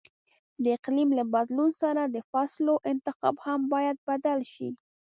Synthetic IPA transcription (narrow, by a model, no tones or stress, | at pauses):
d̪əɪqlimlabad̪lunsaɾad̪əfasloʔɪnt̪ɪqɑ̰bhambɑjad̪̚bad̪alʃḭ